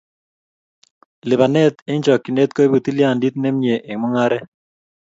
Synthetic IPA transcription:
lɪ˨ba˨nɛ˦t̪e˦ɲd͡ʒɔ˨kːi˨ne˦t̪̚kɔ˦bu˨t̪i˦lɪja˦˨ndi˦t̪̚nɛ˦mɲe˨ʔe˨ŋmʊ˦ŋa˦ɾɛ˦

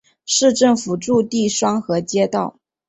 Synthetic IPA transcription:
ʂɻ̩˥˧ʈ͡ʂɤ˥˩ŋfu˨˩ʈ͡ʂu˥˧t̪i˥˩ʂwɑ˥ŋxɤ˧˥t͡ɕjɛ˥t̪ɑ˥˩ʊ

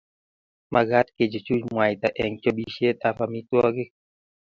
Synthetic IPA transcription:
ma˧ɡa˦t̪̚ke˨d͡ʒo˨t͡ʃu˦t͡ʃmwa˨jt̪a˨ʔɛ˨ŋt͡ʃo˦bi˦ʃje˦t̪̚a˦fa˨mi˦t̪wɔ˦ɡe˦

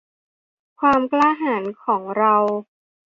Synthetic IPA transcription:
kʰwaː˧mklaː˥ɦaː˩˦nkʰɔː˩˦ŋɾa˧w

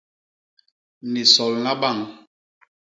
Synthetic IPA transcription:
ni˨sɔ˨lna˦ɓa˦˨ŋ

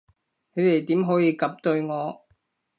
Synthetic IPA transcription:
ne˨˧jt̪e˨˩jt̪iː˨˥mɦɔː˨˥jiː˨˧kɐ˨˥p̚t̪ɵ˧ɥŋɔː˨˧

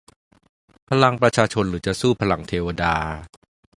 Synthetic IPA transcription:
pʰa˧la˧ŋpɾa˧t͡ɕʰaː˧t͡ɕʰo˧nɾɯː˩˦t͡ɕa˨˩suː˥˩pʰa˧la˧˩ŋt̪ʰeː˧wa˧daː˧

